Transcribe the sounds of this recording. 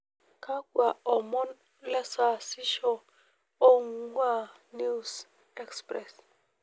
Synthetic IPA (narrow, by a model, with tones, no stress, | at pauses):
kʰa˦kwa˨ɔ˨mɔ˦n | la˦sa˨si˦ʃɔ˦ | o˦ŋwa˦˨ | ni˦s | ɛ˦kspɾɛ˨s